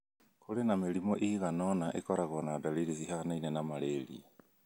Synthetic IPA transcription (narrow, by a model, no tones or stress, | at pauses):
kolenamelimɔʔiɣanɔnaʔḛkɔɾaɣɔnadalidisihanainɛnamaɾelḭ